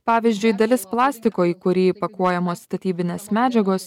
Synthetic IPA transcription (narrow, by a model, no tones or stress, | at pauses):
pɑːʋʲiːzʲd͡ʒʲʊɪd̪ɐlʲɪsplˠɑːsʲt̪ʲɪkoːiːkʊɾʲiːpɐkuɔjɛmoːsːt̪ɐt̪ʲiːbʲɪnʲeːsmʲæːd͡ʒʲɛɡoːs